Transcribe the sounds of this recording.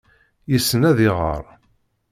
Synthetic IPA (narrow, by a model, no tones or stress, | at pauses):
jisːənæðɪʁə̰ɾˤ